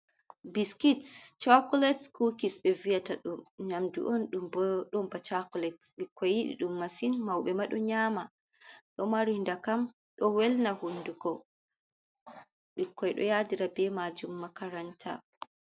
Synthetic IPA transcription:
biskitt͡ʃakulɛtkukisɓɛvijataɗumɲamdṵʔɔnɗumbɗɔmbat͡ʃakɔlɛtɓikʰːɔjːiɗḭɗumːasinmawɓɛmaɗɔɲaːma | ɗɔmaɾindakam | ɗɔwɛlnahunduɡɔ | ɓikʰːɔjɗɔ̰jadiɾabɛmad͡ʒumːakaɾantʰa̰

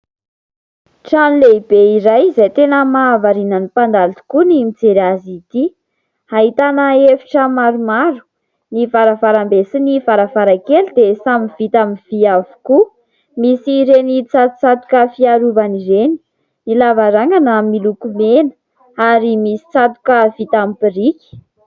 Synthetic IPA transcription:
ʈ͡ʂanileibeiɾajzajt̪enəmaːvaɾinanipand̪alat̪u̥kunimid͡zeɾazit̪i | haɦit̪anəefi̥ʈ͡ʂəmaɾumaɾu̥ | nifaɾavaɾambesinifaɾavaɾakelid̪esamivit̪amiv̥iavu̥ku | misiɾenit͡sat̪u̥t͡sat̪u̥kəfiaɾuvaniɾeni̥ | nilavaɾaŋanamilukumenə̥ | aɾimisi̥t͡sat̪u̥kəv̥it̪amipiɾikʲi̥

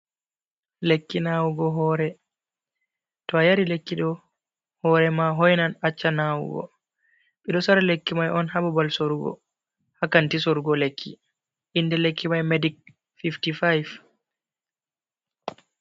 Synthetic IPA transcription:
lekːinawuɡɔɦɔːɾɛ | tɔajaɾilekːiɗɔ | hɔːɾɛmaɦojnanat͡ʃːanawṵɡɔ̰ | ɓɛɗɔsaɾalekːimajʔɔnhababalsoɾuɡɔ̰ | hakantisoɾuɡɔlekʰːḭ | ʔindɛlekʰːimajmedik̚ | fiftifajv

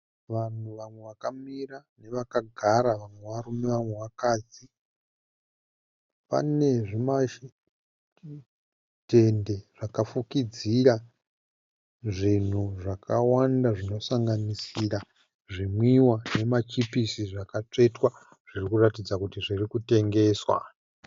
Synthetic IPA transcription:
ʋan̤uʋamwe̞ʋakamirane̞ʋakaɡʱaɾaʋamwe̞ʋaɾumeʋamwe̞ʋakaːd͡zi | pa̰ne̞ʐimaʃ | te̞nde̞ʐ̥akafukid͡ziɾa | ʐin̤uʐakawandaʐino̞saŋɡanisiɾa | ʐimwiwane̞mat͡ʃipisiʐakat͡ʂe̞twa | ʐ̥irikuratid͡zakutiʐirikute̞ŋɡe̞ːswa̰

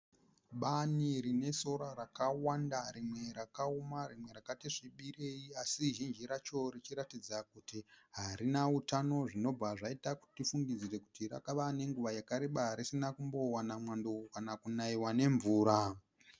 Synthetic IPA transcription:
ɓaniɾine̞so̞ɾaɾakawandaɾimwe̞ɾakaumarimwe̞ɾakatiʐiɓiɾe̞iasiʒind͡ʒiɾat͡ʃo̞rit͡ʃiɾatid͡zakutiɦaɾinautano̞ʐino̞b͡vaʐaitaku̥ttifuŋɡid͡zire̞kutiɾa̰kaʋane̞ŋɡuʋajakaɾeɓaɾisinakumbo̞wanamwandokanakunaiwane̞ɱvuːɾa

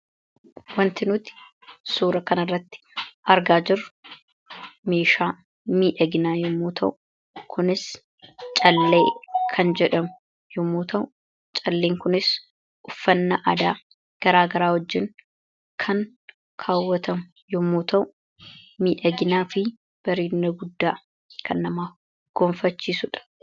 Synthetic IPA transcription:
wɐnt̪ɪnʊːt̪ɪ̥ | suːɾɐkɐnɐrːɐt̪ːɪ̥ʔɐɾɡaːd͡ʒɪrʊ | meːʃaː | miːᶑɐɡɪnaːjʊmːuːt̪ʰɐʔʊ | kʰʊnɪs | t͡ʃʼɐlːe̞ːkʰɐnd͡ʒɛᶑɐmʊ̥ | jʊmːuːt̪ʰɐʔʊ | t͡ʃʼɐlːeːŋkʊnɪs | ʔʊfːɐnːɐʔɐd̪aː | ɡ̥ɐɾaːɡɐɾaːhɔd͡ʒːɪn | kʰɐŋ | kʰaːwːɐt̪ɐmʊ | jɔmːoːt̪ʰɐʔʊ | miːᶑɐɡɪnaːfɪ | b̥ɐɾiːnːɐɡʊd̪ːaː | kʰɐnːɐmaːf | ɡ̥ɔmfɐt͡ʃːiːsʊᶑɐ̥

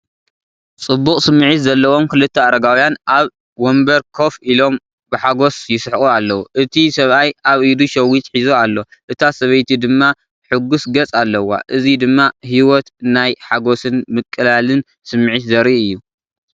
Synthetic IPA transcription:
t͡sʼɨbːukʼsɨmːɨʕit̪zɐlːɐwomkɨlɨt̪ʰːɐaɾɐɡawjanʔaβ | wombɐɾkʰo̞filo̞m | bɨħaɡo̞sjɪsħxʼualːɐwuʔɨt̪ʰisɐβʔajaβʔid̪uʃɐwːit̪ħizoalːo̞ʔɨt̪ʰasɐβɐjt̪ʰid̪ɨmːa | ħɨɡusɡɐt͡sʼalːɐwːa̰ʔɨzid̪ɨmːaɦiwɔt̪najħaɡosɨnmɨkʼːɨlalɨn | sɨmːɨʕit̪zɐɾiɨjːu

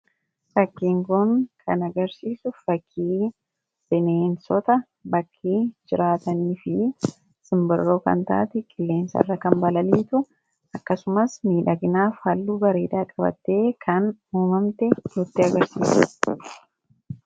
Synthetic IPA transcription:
fɐkːiːŋkʊŋkʰɐnɐɡɐɾsiːsʊfɐkʰːiː | sɛneːnsɔt̪ɐ | bɐkʰːiːd͡ʒɪɾaːt̪ɐniːfɪ | sɪmbɪrːoːkɐ̰nt̪a̰ːt̪ɪkʼɪlːe̞ːnsɐ̰rːɐkɐmbɐlɐliːt̪ʊ | ɐkːɐsʊmɐsmiːᶑɐɡɪnaːfhɐlːuːɡɐɾeːᶑaːkʼɐbɐ̰t̪ːe̞ːkʰɐnuːmɐmt̪ɛnʊt̪ːɪɐɡɐɾsḭːsɐ̥

